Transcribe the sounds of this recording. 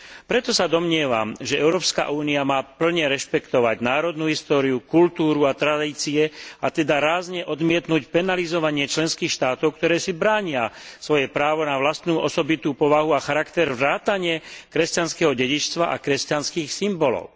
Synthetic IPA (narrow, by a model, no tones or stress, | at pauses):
pɾɛt̪ɔsad̪ɔmɲɪɛʋa̰mʒɛʔɛʊɾɔːpska̰ʔuːniamaːpl̩ɲɛɾɛʃpɛkt̪ɔʋaɟnaːɾɔd̪nuːɦist̪ɔːɾiukult̪uːɾuat̪ɾad̪iːt͡siɛat̪ɛd̪aɾaːzɲɛʔɔd̪mɪɛt̪nucpɛnalizɔʋaɲɪɛt͡ʃlɛnskiːxʃt̪aːt̪ɔʊkt̪ɔɾɛːsibɾaːɲɪasʋɔjɛpɾaːʋɔnaʋlast̪nuːʔɔsɔbit̪uːpɔʋaɦuaxaɾakt̪ɛɾvɾaːt̪aɲɪɛkɾɛscanskɛɦɔɟɛɟit͡ʃst̪ʋaʔa̰kɾɛscanskiːxsimbɔlɔ̰ʊ